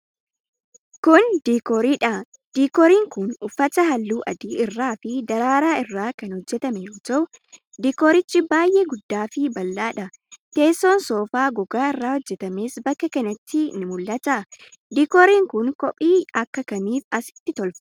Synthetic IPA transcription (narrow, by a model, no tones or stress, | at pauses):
kʊnd̪iːkɔɾiːᶑɐ | d̪̥iːkɔɾiːŋkʊnʊfːɐt̪ɐɦɐlːuːʔɐd̪iːɪrːaːfɪd̪ɐɾaːɾaːɪrːaːkɐnhɔd͡ʒːɛt̪ɐmɛjoːtɐʊ | d̪iːkɔːɾɪt͡ʃːɪbaːjʔeːɡʊd̪ːaːfɪbɐlːaːᶑɐ | t̪e̞ːsːoːnsoːfaːɡɔɡaːɪrːaːhɔd͡ʒːɛt̪ɐme̞ːsbɐkːɐkɐnɐt̪ʰːɪnɪmʊlːɐt̪ɐ | d̪iːkɔɾiːŋkʊnkɔpʼiːɐkːɐkɐniːfɐsɪ̥t̪ːɪt̪ɔlf